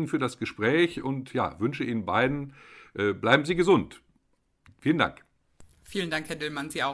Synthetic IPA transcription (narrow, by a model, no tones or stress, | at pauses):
n̩fyːɐdasɡ̥əʃpʁ̥ɛːçʊntja̰ːvʏnʃəʔiːnənbaɪdn̩ʔɛːblaɪbm̩ziːɡəzʊnt | fiːlənda̰ŋk | fiːləndaŋkhɛɐdɪlmanziːaʊ